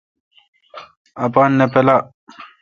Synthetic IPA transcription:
ɐpaːnːepela

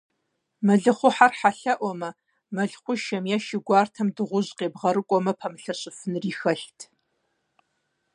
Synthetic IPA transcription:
mɐɮɨχʷʊħarħaɬɐʔʷɔmɐ | mɐɮχʷʊʃɐmjɛʃɪɡʷɑːrtʰɐmdɨʁʷʊʑqeːbʁɐɾɨkʷʼɔmɐpʰɐmɨɬɐɕɪfɨnriːxɐɬtʰ

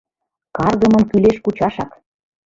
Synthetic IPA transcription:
kɑrɣɤ̆mɤ̆nkyleʃkut͡ɕɑʃɑk

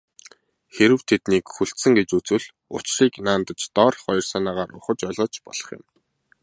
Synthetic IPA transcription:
xeɾɘ̆wt̪ʰet̪niːkxuɬt̪sɘ̆ŋɡet͡ɕut͡swɘ̆ɮ | ʊ̰t͡ɕriːknaːnt̪ə̆t͡ɕt̪ɔːrχɔj̆rsaːnaːʁaːɾʊχə̆t͡ɕɔɮɞ̆ːt͡ɕpɔɮ̥ɞ̆χjɪ̰̆m

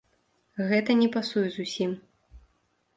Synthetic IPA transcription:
ɣɛt̪ɐnʲɛpasujɛzusʲim

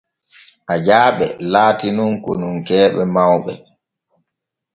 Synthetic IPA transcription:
ʔad͡ʒaːɓɛ̰laːtinunkɔ̰nuŋkɛːɓɛmawɓɛ̰

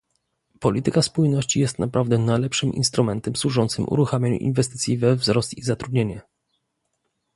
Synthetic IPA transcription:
pɔlʲit̪ɘkaspujnɔɕt͡ɕijɛst̪napɾʔavd̪ɛnajlɛpʂɘmʔḭnst̪ɾumɛnt̪ɛmswuʐɔnt̪sɘmʔṵɾuxamʲjaɲṵʔḭnvɛst̪ɘt̪sʲjivɛvzɾɔst̪izat̪ɾud̪ɲeɲɛ

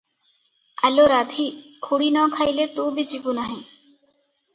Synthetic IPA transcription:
əloːɾaːd̪ʱiːkʰuɽiːnɔ̃ːkʰaːilet̪uːbʱid͡ʒipunaːɦĩː

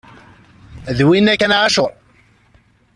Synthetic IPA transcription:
ðwinækːænʕaʃʊɾˤ

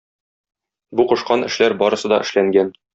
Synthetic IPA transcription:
buqŏʃqɑnɘ̆ʃlæɾbɒɾɤ̆sɤd̪ɒ̰ʔɘ̆ʃlæŋɡæn

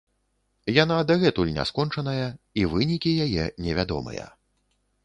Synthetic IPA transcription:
janad̪ɐɣɛt̪ulʲnʲa̰skɔnt͡ʂɐnɐjɐivɨnʲikʲijajɛnʲɛvʲad̪ɔ̰mɨ̰jɐ̰

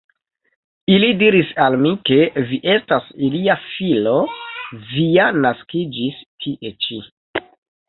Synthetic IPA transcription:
ilidiɾisalmike̞viʔe̞stasiliafilo̞vianaskid͡ʒistʰiʔe̞t͡ʃi

